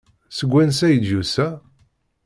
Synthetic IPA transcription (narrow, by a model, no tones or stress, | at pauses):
səɡʷːænsæjəd͡ʒjusæ